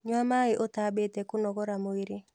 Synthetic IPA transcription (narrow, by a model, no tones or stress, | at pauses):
ɲwamaɣɪʔotabetɛkʊnɔɣɔɾamoiɾe